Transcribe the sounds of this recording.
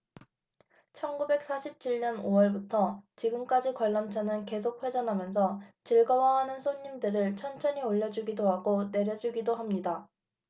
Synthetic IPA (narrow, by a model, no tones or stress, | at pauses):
t͡ɕʰʌnɡube̞k̚s͈ʰaɕʰip̚t͡ɕʰiɭɲʌnoʌɭbutʰʌt͡ɕiɡɯmk͈ad͡ʑikwʌɭːʌmt͡ɕʰʌnɯnke̞s̬ʰok̚ɸwe̞d͡ʑʌnɦamjʌns̬ʰʌt͡ɕiɭɡʌwaɦanɯnsʰoɲːimdɯɾɯɭt͡ɕʰʌnt͡ɕʰʌɲioʎːʌd͡ʑuɡidoɦaɡone̞ɾjʌd͡ʑuɡidoɦamɲida